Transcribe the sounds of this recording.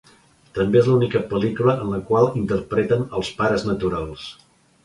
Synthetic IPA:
t̪əmbeezlunikəpəlikuləʔənləkwalˠint̪ərpɾet̪ənəlˠspaɾəznət̪uɾalˠs

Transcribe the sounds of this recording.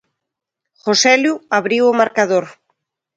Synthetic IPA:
xosɛljuaβɾiwomaɾkað̞oɾ

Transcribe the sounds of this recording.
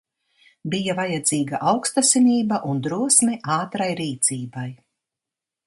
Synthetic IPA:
bijavajad̪ziːɡaʔawkst̪asiniːbaʔund̪ɾuɔsmʲɛʔaːt̪ɾajɾiːt̪siːbaj

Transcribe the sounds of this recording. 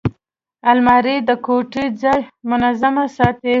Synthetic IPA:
almɑɾid̪əkoʈid͡zɑjmʊnazamasɑt̪e

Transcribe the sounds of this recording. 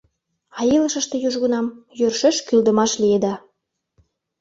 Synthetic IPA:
ɑjiləʃə̆ʃt̪e̽juʒɣunɑmjørʃeʃkyld̪ə̆mɑʃlijed̪ɑ

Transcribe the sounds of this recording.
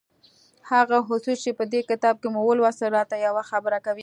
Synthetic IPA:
haɣaɦʊsust͡ʃepəd̪ekɪt̪ɑb̚kemuwəlwɑsəɾɑt̪ajawaxabəɾakawi

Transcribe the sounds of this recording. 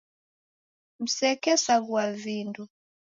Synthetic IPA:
m̩sɛkɛsaɣwavindu

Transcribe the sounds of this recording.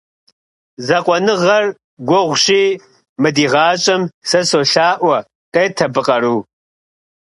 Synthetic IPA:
zɐqʷʼɔnɨʁɐr | ɡʷɔʁʷɕiː | mɨdiːʁaːt͡ʃʼɐmsɐsoːɬaːʔʷɐ | qʼeːtʰɐbɨqʼɐɾuː

